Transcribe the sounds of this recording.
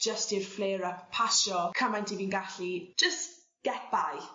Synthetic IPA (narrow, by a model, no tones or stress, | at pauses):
d͡ʒ̥əstirfleːɾəppʰaʃɔkʰəmajntʰiviːnɡaɬi̥d͡ʒ̥əst | ɡ̥ɛt̚baj